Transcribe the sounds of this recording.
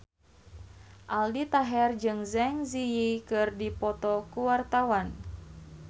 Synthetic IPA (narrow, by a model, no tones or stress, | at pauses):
ʔaldit̪aɦɛrd͡ʒɨŋzɛŋziikɨrdipɔt̪ɔkuwart̪awan